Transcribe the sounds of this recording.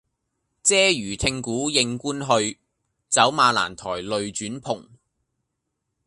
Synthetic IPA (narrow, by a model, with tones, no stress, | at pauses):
t͡sɛː˥jyː˨˩t̪ʰɪ˧ŋkuː˨˥jɪ˧ŋkuː˥nɦɵ˧ɥ | t͡sɐ˨˥wmaː˧la̰ː˨˩nt̪ʰɔ̰ː˨˩jlɵ˨ɥt͡ʃyː˨˥npʰʊ˨˩ŋ